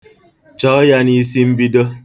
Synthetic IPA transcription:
t͡ʃɔ˨˦ja˦ni˨˦si˦m̩˦bi˦də˦

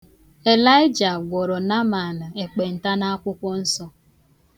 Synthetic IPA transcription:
e˨la˦ɪ˦d͡ʒa˨ɡʷɔ˨ɾɔ˨na˦ma˨la˨e˨k͡pe˨n̩˨ta˦na˦a˦kʷʊ˦kʷɔ˦n̩˦sɔ˦

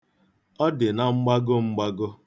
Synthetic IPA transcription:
ɔ˦dɪ˨na˦ŋ͡m̩˦ɡ͡ba˦ɡʊ˦ŋ͡m̩˦ɡ͡ba˦ɡʊ˦

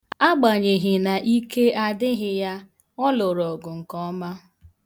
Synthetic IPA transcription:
a˦ɡ͡ba˨ɲe˨ɦɪ˨na˨ʔi˦ke˦a˦dɪ˦ɦɪ˦ja˦ | ɔ˦lʊ˨ɾɔ˨ɡʊ˨ŋ̩˨kɔ˦ma˦

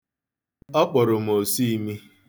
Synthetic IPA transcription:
ɔ˦k͡pɔ˨ɾʊ˨m̩˨o˨si˦mi˦

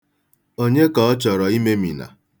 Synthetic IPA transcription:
o˦ɲe˦kɔ˨ɔ˦t͡ʃɔ˨ɾɔ˨i˦me˦mḭ˨na̰˨

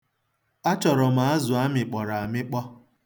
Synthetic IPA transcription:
a˦t͡ʃɔ˨ɾɔ˨ma˨a˦zʊ˨a˦mɪ˨k͡pɔ˨ɾa˨a˨mɪ˦k͡pɔ˦

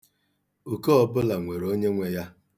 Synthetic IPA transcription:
u˨kɔ˦˨bʊ˦la˨ŋʷe˨ɾo˦ɲe˦ŋʷe˦ja˦

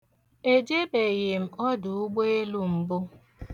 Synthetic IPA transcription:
e˦d͡ʒe˦be˨je˨m̩˨ɔ˦dʊ˨ʊ˦ɡ͡be˦e˦lu˦m̩˨bʊ˦

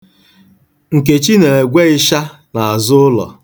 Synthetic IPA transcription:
ŋ̩˨k̬e˨t͡ʃi˦ne˨e˨ɡʷe˦ɪ˦ʃa˦ | na˨a˨zʊ˦ʊ˦lɔ̰˨

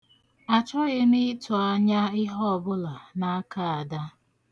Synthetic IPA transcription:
a˨t͡ʃɔ˦ɣe˦mɪ˦tʊ˨a˦ɲa˦ɪ˦ɦɔ˦˨bʊ˦la˨na˦a˦ka˦a˨da˦

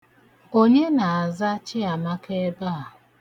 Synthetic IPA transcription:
o˦ɲe˦na˨a˨za˦t͡ʃɪ˦a˨ma˦ke˦ba˦a˨

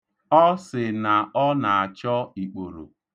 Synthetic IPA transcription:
ɔ˦sɪ˨na˨ɔ˦na˨a˨t͡ʃɔ˦i˨k͡po˨ɾo̰˨

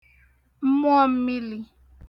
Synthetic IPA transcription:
m̩˦m˦ɔ˦m̩˦mi˦li˨

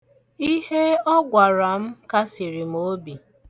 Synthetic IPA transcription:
i˦he˦ɔ˦ɡʷa˨ɾa˨m̩˦ka˦si˨ɾi˨m̩˦o˦bi˨

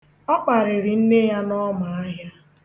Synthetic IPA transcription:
ɔ˦k͡pa˨ɾɪ˨ɾɪ˨n̩˦ne˦ja˦nɔ˦ma˨a˦ɦja˦

